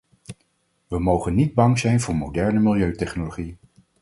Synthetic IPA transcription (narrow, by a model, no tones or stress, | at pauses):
ʋəmowχənːid̚bɑŋzɛjnvʊːɹmowdɛɹnəmɪlˠjøɥtɛχnoloχij